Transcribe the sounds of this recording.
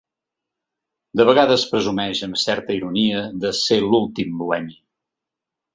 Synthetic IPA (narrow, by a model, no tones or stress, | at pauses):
d̪əβəɣ̞aðəspɾəzumɛʒəmsɛɾt̪əiɾuniəðəselulˠt̪imbuɛmi